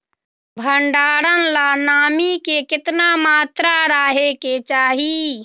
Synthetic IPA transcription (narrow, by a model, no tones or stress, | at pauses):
bʱəɳɖaːɽənlanaːmikekɪt̪namaːt̪ɾaɾaːɦeket͡ʃaːɦi